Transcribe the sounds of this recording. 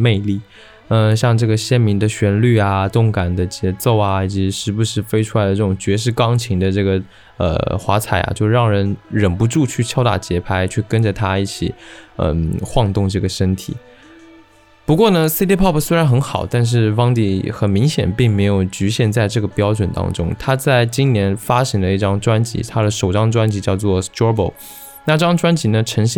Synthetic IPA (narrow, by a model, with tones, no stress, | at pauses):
me˥˧ɪli˥˩ | ə˥˧ɕjɑ˥˧ŋʈ͡ʂɤ˥˩ɡə˩ɕjɛ˥nmi˧˥ŋd̪ə˧ɕɥɛ˧˥nly˥˩a˩t̪ʊ˥˩ŋka˨˩nd̪ə˦t͡ɕjɛ˧˥t͡so˥˩ʊɐ˧i˨˩t͡ɕi˧˥ʂɻ̩˥˩bu˧˩ʂɻ̩˥˩fe˥ɪʈ͡ʂʰu˥la˧˥ɪd̪ə˧ʈ͡ʂɤ˥˩ʈ͡ʂʊ˨˩ŋt͡ɕɥɛ˧˥ʂ̬ɻ̩˥˧kɑ˥ŋt͡ɕʰi˧˥ŋd̪ə˧ʈ͡ʂɤ˥˩ɡə˩ | ə̰˧˩xwa˧˥t͡sʰa˨˩ɪa̰˧˩t͡ɕjo˥˧ʊɻɑ˥˩ŋɻə˧˥nɻə˨˩npu˧˥ʈ͡ʂu˥˧t͡ɕʰy˥˩t͡ɕʰjɑ˥ʊt̪a̰˥˩t͡ɕjɛ˧˥pʰa˥ɪt͡ɕʰy˥˩kə˥nʈ͡ʂə˨t̪ʰa˥i˥˩t͡ɕʰḭ˨˩˦ə̰˧˩xwɑ˥˧ŋt̪ʊ˥˧ŋʈ͡ʂɤ˥˩ɡə˩ʂə˥nt̪ʰḭ˨˩˦ | pu˧˥kwɔ˥˩nə˩si˥t̪i˥pʰɑ˥˩pʰswe˥ɪɻa˧˥nxə˧˥nxɑ˨˩ʊt̪a˥˧nʂ̬ɻ̩˥˩fɑ˥ŋt̪i˥˩xə˨˩nmi˧˥ŋɕjɛ̰˨˩npi˥˩ŋme˧˥ɪjo˨˩ʊt͡ɕy˧˥ɕjɛ˥˧nt͡sa˥˧ɪʈ͡ʂɤ˥˩ɡə˩pjɑ˥ʊʈ͡ʂwə˨˩nt̪ɑ̰˥ŋʈ͡ʂʊ̰˥ŋt̪ʰa˥t͡sa˥˩ɪt͡ɕi˥nnjɛ˧˥nfa˥ɕi˧˥ŋd̪ə˧i˥˩ʈ͡ʂɑ˥ŋʈ͡ʂwa˥nt͡ɕḭ˧˥t̪ʰa˥d̪ə˨ʂo˨˩ʊʈ͡ʂɑ˥ŋʈ͡ʂwa˥nt͡ɕi˧˥t͡ɕjɑ˥˧ʊt͡swɔ˥˩st̪ɔ˥bo̰˥˩ʊ | na˥˧ʈ͡ʂɤ˥˩ɑ˥ʈ͡ʂwa˥nt͡ɕi˧˥nə˧ʈ͡ʂʰə˧˥ŋɕ